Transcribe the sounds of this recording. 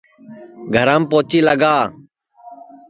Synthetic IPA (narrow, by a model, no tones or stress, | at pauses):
ɡʱəɾãːmpoːt͡ʃiːləɡaː